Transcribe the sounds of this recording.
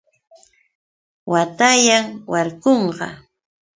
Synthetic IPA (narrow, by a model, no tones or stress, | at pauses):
wat̪ajaŋwaɾkoɴɢɑ̰